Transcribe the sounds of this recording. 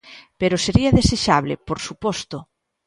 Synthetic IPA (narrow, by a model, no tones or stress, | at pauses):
peɾoseɾiɐðeseʃaβ̞lḛpoɾsupɔst̪ʊ